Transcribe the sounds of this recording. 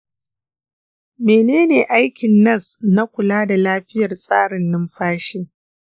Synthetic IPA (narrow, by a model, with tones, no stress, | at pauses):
meː˨neː˦neː˨ʔa˦jkʲɪ˨nːɐ˦˨sna˦kʷʊ˨laː˦da˨laː˦ɸɪ˦jɐ˨rsʼa̰ː˦ɽɪ˨nːɪ˦mɸaː˦ʃeː˦